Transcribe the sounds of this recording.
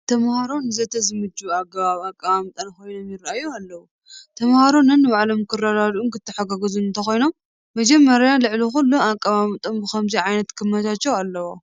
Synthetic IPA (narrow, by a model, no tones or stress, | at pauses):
t̪ʰɐmhaɾonɨzɐt̪ʰɐzɨmɨd͡ʒuaɡɐβaβakʼːaβamt̪ʼɐnko̞jno̞mjɪɾʔajːualːɐwu | t̪ʰɐmhaɾo̞nɨnːɨβaʕlo̞mkʰɨrːad̪ad̪unkɨt̪ʰːɨħaɡaɡɐzunɨnt̪ʰɐxojno̞m | mɐd͡ʒɐmːɐɾjalɨʕlixulːuakʼːaβamt̪ʼombɨxɐmziʕajnɐt̪kʰɨmːɐt̪ʰat͡ʃːɛwalːɐwo